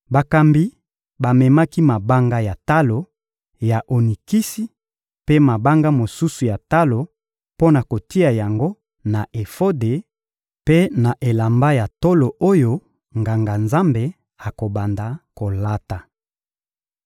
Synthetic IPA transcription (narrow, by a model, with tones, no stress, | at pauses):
ba˨ka˨mbi˦ | ba˨mɛ˨ma˦ki˦ma˨ba˦ŋɡa˦ja˨ta˦lo˨ | ja˨ʔo˨ni˨ki˦si˦ | pe˦ma˨ba˦ŋɡa˦mo˨su˦su˨ja˨ta˦lo˨ | po˦na˨ko˨ti˦a˨ja˨ŋɡo˦ | na˨ʔe˨fo˦de˨ | pe˦na˨ʔe˨la˨mba˦ja˨to˦lo˨ʔo˦jo˦ | ŋɡa˨ŋɡa˨nza˦mbe˨ | a˨ko˨ba˨nda˨ko˨la˦ta˨